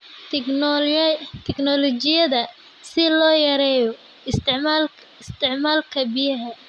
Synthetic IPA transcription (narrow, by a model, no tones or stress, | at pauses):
t̪ʰɪɡnɔlɔt͡ʃɪjɐðɐ | sɪlɔːjɐɾɛːjɔ | ɪsɪʕmaːl | ɪst̪ʰɪʕmaːlkʰɐbɪjɐɦɐ